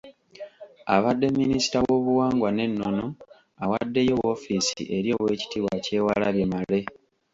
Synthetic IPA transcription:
aβadːe̞mːinisi̥tawo̞ːβuwaːŋɡwane̞nːo̞no̞ | awadːe̞jo̞wo̞fiːsḭʔe̞ɾjo̞ːwe̞ːci̥tiβwace̞ːwalaβje̞male̞

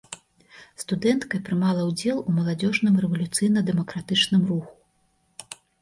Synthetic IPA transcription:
st̪ud̪ɛnt̪kɐpɾɨmalˠɐwd͡zʲɛlˠumɐlˠad͡zʲɔʐnɨmɾɛvɐlʲut̪sɨjnɐd̪ɛmɐkɾat̪ɨt͡ʂnɨmruxu̥

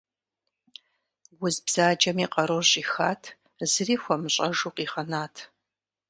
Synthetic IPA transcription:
wʊzbz̥aːd͡ʒɐmiːqʼɐɾorɕʼiːxa̰ːtʰ | zɨriːxʷɔmɨɕʼɐʒuːqʼiːχɐnaːtʰ

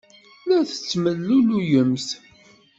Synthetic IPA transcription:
læθə̥t͡sːməlːulujəmθ

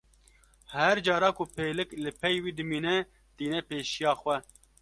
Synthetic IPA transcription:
hɛɾd͡ʒɑːɾɑːkʊpʰeːlɨklɨpʰɛjwiːd̪ɨmiːnɛ | t̪iːnɛpeːʃijɑːxwɛ

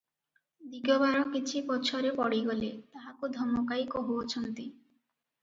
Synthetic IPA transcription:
d̪iɡobaɾɔkit͡ɕʰipɔt͡ɕʰoɾepɔɽiɡɔlet̪aɦakud̪ʱɔmːokajkoɔɦuot͡ɕʰɔnt̪i

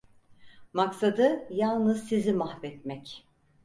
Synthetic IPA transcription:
maksad̪ɯjalˠnɯzsizimahvɛt̪mɛc

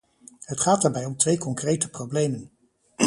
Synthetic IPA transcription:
ɦətχaːt̚daːɹbɛjɔmtʋejkɔŋkrejtəprowblejmən

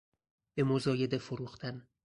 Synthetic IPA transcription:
b̥e̞mozɒːje̞d̪efoɾuːxt̪ʰæn

